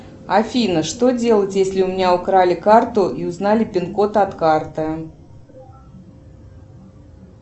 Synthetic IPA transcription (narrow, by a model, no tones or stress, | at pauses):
afʲijnəʂt̪od͡zʲelˠət͡sʲjesʲlʲɪʊmʲɪnʲaʊkɾalʲɪkart̪ʊʔiʊznalʲɪpʲɪnkot̪ɐt̪kart̪ɨ